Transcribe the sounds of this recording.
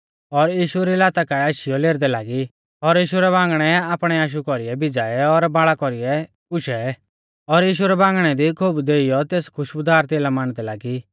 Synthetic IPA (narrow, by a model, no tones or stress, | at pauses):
ɔɾjiːʃuɾilaːt̪akaaːʃɪjɔleːɾd̪ɛlaːɡi | ɔɾjiːʃuɾɛbãːŋɡɽ̃ɛaːpɽ̃ɛaːʃ̬ukɔɾiɛbɪd͡zaːɛɔɾbaːɭakɔɾiɛ | ʊʃɛ | ɔɾjiːʃ̬uɾɛbãːŋɡɽ̃ɛd̪ikʰobd̪eːijɔt̪eːskʰʊʃbʊd̪aːɾt̪eːlamaːɽ̃d̪ɛlaːɡi